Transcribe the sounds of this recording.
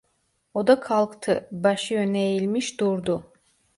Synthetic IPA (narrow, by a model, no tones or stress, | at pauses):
od̪akʰalˠkt̪ʰɯbaʃɯjønejilʲmiʃd̪uɾd̪u